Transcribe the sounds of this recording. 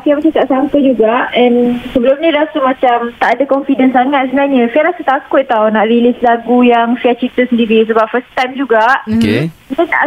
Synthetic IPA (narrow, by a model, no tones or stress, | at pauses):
apiamat͡ʃakaʔsampəd͡ʒuɡaʔɛnsəbəlʊmnĩɾasumãt͡ʃamt̪aʔadakɔnfidənsaŋat̪̚səbənaɲəfajɾasut̪akʊt̪ːawnaʔɾilɪslaɡujaŋfiat͡ʃit̪əsəndiɾisəbap̚fəst̪ajmd͡ʒuɡaʔnəna̰ʔ